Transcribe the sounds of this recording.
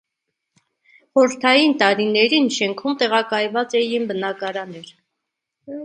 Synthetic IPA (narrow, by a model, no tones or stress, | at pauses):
χɔɾəɾt̪ʰɑjint̪ɑɾinɛɾinʃɛŋkʰumt̪ɛʁɑkɑjvɑt͡sɛjinbənɑkɑɾɑnɛɾ